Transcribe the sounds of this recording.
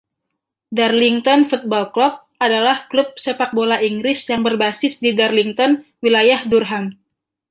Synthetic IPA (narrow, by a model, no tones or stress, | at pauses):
darliŋt̪ɔnfut̪̚bɔlklɔp̚ | ʔadalahklup̚sepak̚bolaʔiŋɡɾɪsjaŋbərbasɪsdidarliŋt̪ɔnwilajahdurɦan